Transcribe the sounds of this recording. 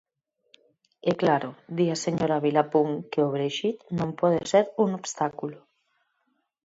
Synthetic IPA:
ɛklaɾod̪iaseɲoɾaβilapuŋkeoβɾeʃit̪nõmpɔð̞eseɾuŋoβst̪akulo

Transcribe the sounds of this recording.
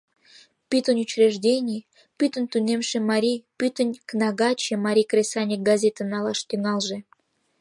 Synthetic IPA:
pʲyt̪ənʲut͡ɕrʲeʒdʲenʲij | pyt̪ənt̪unemʃĕmɑɾʲijpyt̪ənʲknɑɣɑt͡ɕĕmɑɾʲijkrʲesɑnʲik̚ɡazʲet̪ənɑlɑʃt̪yŋɑlʒĕ

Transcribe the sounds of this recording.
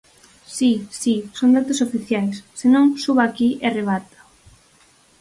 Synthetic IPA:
sisisond̪at̪osofiθjajsːenõŋsuβaːkiʔereβ̞at̪ḁ

